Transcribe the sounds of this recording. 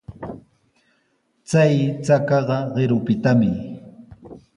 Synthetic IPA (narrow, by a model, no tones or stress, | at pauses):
t͡sajt͡sakɑɢɑɢɪɾʊpɪt̪amɪ